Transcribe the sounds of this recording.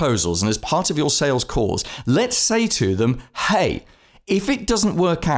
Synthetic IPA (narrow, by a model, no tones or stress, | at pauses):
oʊzəl̩ˠzə̃nɨz̥pʰɑɹɾʌvjə˞seɪlˠz̥kʰɔ̰ːz̥lɨtseɪtʰɨðə̃mheɪ | ɪfɨt̚d̥ʌz̃n̩ʔwɜ˞ka